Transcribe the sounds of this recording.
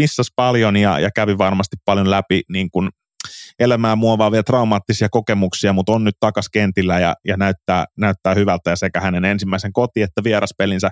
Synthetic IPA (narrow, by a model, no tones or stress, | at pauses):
isːɑspɑljonjɑ̰jɑ̰kæʋiʋɑrmɑst̪ippɑljonlæpiniːŋkun | elæmæːmuɑʋɑːʋiet̪rɑumɑːt̪ːisiɑkokemuksiɑmut̪onnyt̪t̪ɑkɑskent̪ilːæjɑ̰jɑnæyt̪ːæːnæyt̪ːæːhyʋælt̪ːæjɑsekæhænenensimːæiseŋkot̪iet̪ːæʋieɾɑspelinsæ